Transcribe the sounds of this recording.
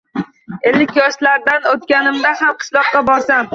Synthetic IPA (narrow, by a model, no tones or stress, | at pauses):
e̞lːɪkʲjɒʃlaɾd̪anot̪kʲanɪmd̪aɦamqʰɨ̥ʃlˠɒqːɑbɒɾsam